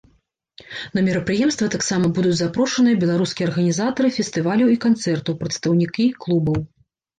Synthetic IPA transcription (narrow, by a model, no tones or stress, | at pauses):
nɐmʲɛɾɐpɾɨjɛmst̪vɐt̪aksamɐbud̪ud͡zʲzapɾɔʂɐnɨjɐbʲɛlˠaɾuskʲijɐrɣɐnʲizat̪ɐɾɨfʲɛst̪ɨvalʲɐwikant̪sɛrt̪ɐwpɾɐt̪st̪ɐwnʲikʲiklˠubɐw